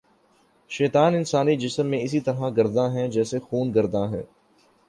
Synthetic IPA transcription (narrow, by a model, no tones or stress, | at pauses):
ʃɛːt̪aːnɪnsaːnid͡ʒɪsəmːẽɪsit̪ɐɾɦãɡɐɾd̪ãɦɛ̃d͡ʒɛːsexuːnɡɐɾd̪ãɦɛ̰̃ː